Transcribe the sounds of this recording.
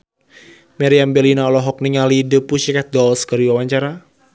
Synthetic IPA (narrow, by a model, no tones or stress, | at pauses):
mɛɾiambɛlinaɔlɔɦɔk̚niŋalidəpuʃikat̪̚dɔlskəɾiwawaɲt͡ʃaɾa